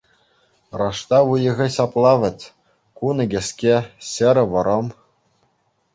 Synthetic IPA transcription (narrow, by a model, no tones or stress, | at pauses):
rɑʂt̪ɑʋujɤ̆ɣʲɘɕɑplˠɑʋʲɘ̆tʲ | kunɤ̆ɡʲĕskʲeɕɘ̆ɾʲɘ̆ʋɤ̆ɾɤ̆m